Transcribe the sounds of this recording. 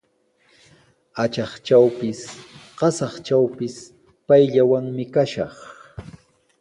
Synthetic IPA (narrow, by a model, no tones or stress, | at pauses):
at͡ʃɑχt͡ʃawpɪsɢɑsɑχt͡ʃawpɪs | pajʎawaŋmɪkaʃɑχ